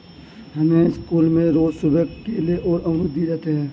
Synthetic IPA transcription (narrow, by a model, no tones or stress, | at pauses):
ɦɐmeskuːlmẽɾoːd͡ʒsʊbʱəɡkeːleʔɔːɾəmɾʊd̪ʱːiɾɛɦt̪eɦɛ̃ː